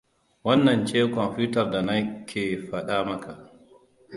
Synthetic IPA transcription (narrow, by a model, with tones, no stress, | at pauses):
wa˦nːa˨nt͡ʃɛː˦kɔ˨mpuː˦tardanakʲʰːɛ˨faɗaːma˦kʰa˨